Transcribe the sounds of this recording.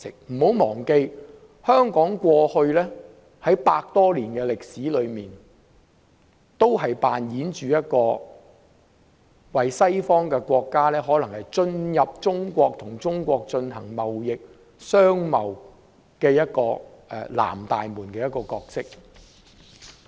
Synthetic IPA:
ɪ˨k̚m̩˨˩ho˨˥wmɔː˨˩ŋke˧j | hœː˥ŋkɔː˨˥ŋkʷɔː˧hɵ˧ɥlɛː˥ | hɐ˨˥jpaː˧k̚t̪ɔː˥liː˨˩nkɛː˧lɪ˨k̚siː˨˥lɵ˨˧ɥmiː˨n | t̪o˥wɦɐ˨jpaː˨njiː˨˥nt͡ʃyː˨jɐ˥t̚kɔː˧ | wɐ˨jsɐ˥jfɔː˥ŋkɛː˧kʷɔː˧kːaː˥lɛː˥ɦɔː˨˥lɐ˨˩ŋhɐ˨jt͡ʃɵ˧njɐ˨p̚t͡ʃʊ˥ŋkʷɔː˧k̚t̪ʰʊ˨˩ŋt͡sʊ˥ŋkʷɔː˧k̚t͡ʃɵ˧nɦɐ˨˩ŋmɐ˨wjɪ˨k̚ | sœː˥ŋmɐ˨w | kɛː˧jɐ˥t̚kɔː˧ʔɛ̰˧la̰ː˨˩mt̪a̰ː˨jmuː˨˩nkɛː˧jɐ˥tkɔː˧kɔː˧k̚sɪ˥k̚

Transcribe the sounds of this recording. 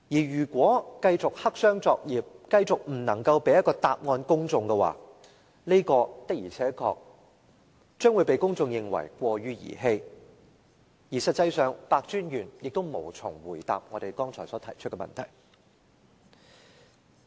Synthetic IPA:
jiː˨˩jyː˨˩kʷɔː˨˥kɐ˧jt͡sʊ˨k̚hɐ˥k̚sœː˥ŋt͡sɔː˧k̚jiː˨p̚kɐ˧jt͡sʊ˨k̚m̩˨˩nɐ˨˩ŋkɐ˧wpe˨˧jɐ˥t̚kɔː˧t̪aː˨p̚ŋɔː˧nkʊ˥ŋt͡sʊ˧ŋkɛ˧wa̰ː˨˩ | le˥kɔː˧t̪ɪ˥k̚jiː˨˩t͡sʰɛː˨˥kʰɔ̰ː˧k̚ | t͡ʃœː˥ŋwuː˨˧jpe˨jkʊ˥ŋt͡sʊ˧ŋjɪ˧ŋwɐ̰˨˩jkʷɔː˧ɥyː˥jḭː˨˩ɦe˧j | jiː˨˩sɐ˨t̚t͡sɐ˧jsœː˨˧ŋpaː˧k̚t͡ʃyː˥njyː˨˩njɪ˨k̚t̪o˥wmo̰˨˩wt͡sʰʊ˨˩ŋwuː˨˩jt̪a̰ː˨p̚ŋɔː˨˧t̪e˨jkɔː˥ŋt͡sʰɔː˨˩jsɔː˨˥t̪ʰɐ˨˩jt͡ʃʰt̚kɛ˧mɐ̰˨nt̪ʰɐ̰˨˩j

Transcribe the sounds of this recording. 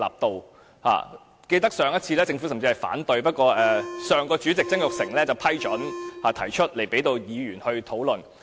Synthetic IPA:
a̰ː˨p̚t̪o˨w | ha̰ː˨˩ | ke˧jt̪ɐ˥k̚sœː˨˧ŋjɐ˥t̚t͡sʰiː˧lɛː˥t͡sɪ˧ŋfu˨˥sɐ˨mt͡si˧hɐ˨jfa̰ː˨˥nt̪ɵ˧ɥpɐ˥t̚kɔː˧ʔɛː˨sœː˨ŋkɔː˧t͡ʃy˨˥t͡sɪ˨k̚t͡sɐ˥ŋjʊ˨k̚sɪ˨˩ŋlɛː˥t͡sɐ˨wpʰɐ˥jt͡ʃɵ˨˥nhaː˨t̪ʰɐ˨˩jt͡ʃʰɵ˥t̚le˨˩jpe˨˥jt̪o˧wjiː˨˧ɥyː˨˩nhɵ˧ɥt̪ʰo˨˥wlɵ˨˩n

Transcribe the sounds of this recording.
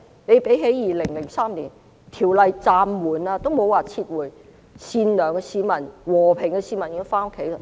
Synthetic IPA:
ne˨˧jpe˨˥jɦe˨˥jjiː˨lɪ˨˩ŋlɪ˨˩ŋsaː˥mliː˨˩n | t̪ʰiː˨˩wlɐ˧jt͡saː˧mwuː˨˩naː˧t̪o˥wmo˨˧waː˨˩t͡sʰiː˧t̚wuː˨˩j | siː˧nlœː˨˩ŋɡɛ˧siː˨˧mɐ˨˩nwɔː˨˩pʰɪ˨˩ŋkɛ˧siː˨˧˥mɐ˨˩njɪ˧˥faː˥no˥kʰːe˨˥jl

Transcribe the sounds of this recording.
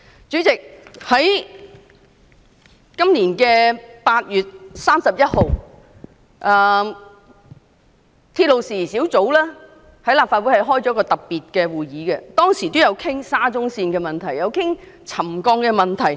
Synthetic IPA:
t͡ʃyː˨˥t͡sɪ˨k̚hɐ˨˥j | kɐ˥mniː˨˩nkɛː˧paː˧t̚jyː˨t̚saː˥msɐ˨p̚jɐ˥t̚ho˨w | ʔɛː˨ | t̪ʰiː˧t̚lo˨wsiː˨˩siː˨˥wt͡so˨˥wlɛː˥ | hɐ˨˥jlaː˨p̚fa˧t̚wu˨˥jhɐ˨jɦɔː˥jt͡sɔ˨˥kɔː˧t̪ɐ˨p̚pːiː˨t̚kɛː˧wuː˨˩jiː˨˥kɛ˧t̪ɔː˥ŋsiː˨˩t̪o˥wjɐ˨˧wkʰɪ˥ŋsaː˥t͡sʊ˥ŋsiː˧nkɛː˧mɐ˨˩nt̪ʰɐ˨˩jɐ˨˧wkʰɪ˥ŋt͡sʰɐ˨˩mkɔː˧ŋkɛ˧mɐ˨nt̪ʰɐ˨˩j

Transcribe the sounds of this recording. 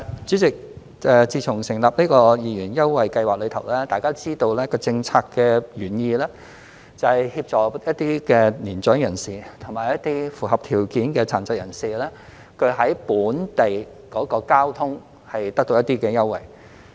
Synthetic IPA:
t͡ʃyː˨˥t͡sɪ˨k̚ | ɛ˨˧t͡siː˧t͡sʰʊ˨˩ŋsɪ˨˩ŋlaː˨p̚niː˥kɔː˧jiː˨˧jyː˨˩njɐ˥wwɐ˨jkɐ˧jwaː˨lɵ˨˧t̪ʰɐ˨˩wlɛː˥t̪aː˨jkaː˥t͡siː˥t̪o˧wlɛː˥kɔː˧t͡sɪ˧ŋt͡sʰaː˧kːɛː˧ɥyː˨˩njiː˨˧lɛː˥ | t͡sɐ˨whɐ˨jhi˧p̚t͡ʃɔː˨˩jɐ˥t̪̚iː˥kɛː˧niː˨˩nt͡ʃœː˨˥ŋjɐ˨˩nsiː˨t̪ʰʊ˨˩ŋmaː˨˩jɐ˥t̪iː˥fuː˨˩hɐ˨p̚t̪ʰiː˨˩wkiː˨˥nkɛː˧t͡sʰa̰ː˨˩nt͡sɐ˧k̚jɐ˨˩nsiː˨lɛː˥ | kʰɵ˨˧ɥɦɐ˨˥jpuː˨˥nt̪e˨j | kɔː˨˥kɔː˧kaː˥wt̪ʰʊ˥ŋ | hɐ˨jt̪ɐ˥k̚t̪o˧jɐ˥t̪iː˥kɛː˧jɐ˥wwɐ̰˨˩j

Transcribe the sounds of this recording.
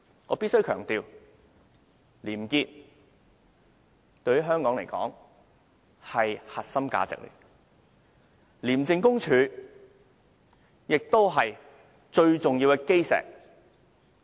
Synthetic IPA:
ŋɔː˨˧pi˥tsɵ˥ɥkʰœː˨˩ŋt̪iː˨w | liː˨˩mkiː˧t̚ | t̪ɵ˧ɥhy˥ɦœː˥ŋkɔː˨˥ŋle˨˩jkɔ̰ː˨˥ŋ | hɐ˨jha˨t̚sɐ˥mka̰ː˨˧t͡sɪ̰˨k̚ly̰ː˨˩ | liː˨˩mt͡sɪ˧ŋkʊ˥ŋt͡ʃʰyː˨˧ | jɪ˨k̚t̪o˥wɦɐ˨j | t͡ʃɵ˧ɥt͡sʊ˨ŋji˧wkɛ˧ke˥jsɛ̰ː˨˩k̚

